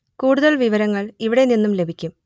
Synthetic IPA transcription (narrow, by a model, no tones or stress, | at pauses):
kuːɽuðɐɭʋiʋɐɾɐŋːɐɭiʋiɽe̞ninːumle̞bʱikʲːum